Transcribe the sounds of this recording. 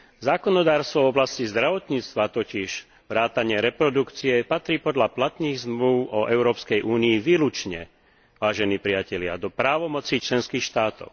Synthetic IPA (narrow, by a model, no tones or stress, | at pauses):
zaːkɔnɔd̪aːɾst̪ʋɔvɔblascizd̪ɾaʋɔt̪ɲiːt͡st̪ʋat̪ɔciʃ | ʋɾaːt̪aɲɪɛɾɛpɾɔd̪ukt͡siɛpat̪ɾiːpɔd̪ʎaplat̪niːɣzmluʊɔʔɛʊɾɔːpskɛjʔuːniːʋiːlut͡ʃɲɛ̰ | ʋaːʒɛniːpɾɪacɛʎɪa̰d̪ɔpɾaːʋɔmɔt͡sit͡ʃlɛnskiːxʃt̪aːt̪ɔ̰ʊ